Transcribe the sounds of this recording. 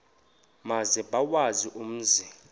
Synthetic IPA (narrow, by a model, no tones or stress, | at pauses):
mazɛɓawaziʔum̩ːzi